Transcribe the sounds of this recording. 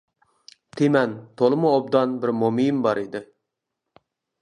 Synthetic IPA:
t̪ʰemɛnt̪ʰolˠɨmʊob̚d̪ɑnbɪɾmomijmbɑɾid̪ɪ

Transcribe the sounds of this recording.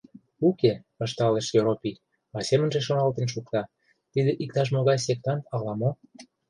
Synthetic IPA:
ukepɑʃt̪ɑleʃjoɾopʲi | ɑsemə̆nʒeʃonɑlt̪ə̆nʃ̬ukt̪ɑ | t̪id̪eʔik̚t̪ɑʃ̬moɣɑjsek̚t̪ɑnɑlɑmo

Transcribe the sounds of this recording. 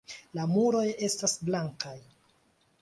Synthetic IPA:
lamuɾo̞je̞stasblaŋkaj

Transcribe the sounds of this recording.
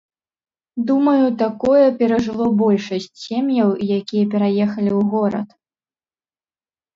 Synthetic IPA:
d̪umɐjut̪akɔjɐpʲɛɾɐʐɨlˠɔbɔlʲʂɐsʲt͡sʲsʲemjɐwjakʲijɛpʲɛɾajɛxɐlʲiwɣɔɾɐ̰t̪

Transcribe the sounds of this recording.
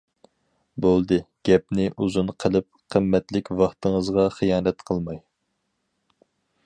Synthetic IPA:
bolˠd̪ɨɡ̥ʲɛp̚nɪʔuzunqʰəlˠɨp̚ | qʰəmːɛt̪lɪkʲvɑχt̪əŋəzʁɑχijɑːnɛt̪qʰəlˠmɑj

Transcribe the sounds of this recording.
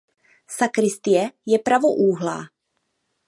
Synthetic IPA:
sakɾɪst̪ɪjɛjɛpɾavoʔuːɦla̰ː

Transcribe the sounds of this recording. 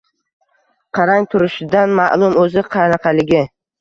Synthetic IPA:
qʰɑɾaŋt̪ʰʊɾɪʃɪd̪anma̰ʔlˠʊmɵzɪqʰɑnɑqʰɑlɪɡʲɪ

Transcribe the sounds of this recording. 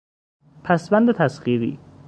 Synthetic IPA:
pʰæsbænd̪et̪ʰæsɢiːɾḭː

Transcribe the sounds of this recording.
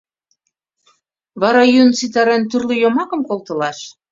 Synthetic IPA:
βɑɾɑjynt͡sit̪ɑɾænt̪yrlĕjomɑkɤ̆mkolt̪ɤ̆lɑʃ

